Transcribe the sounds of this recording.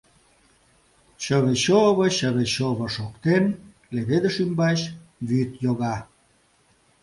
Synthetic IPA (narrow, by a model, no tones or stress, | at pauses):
ɕəβeɕoβəɕəβeɕoβə̆ʃokt̪en | leβed̪ə̆ʃymbɑɕβyt̪joɣɑ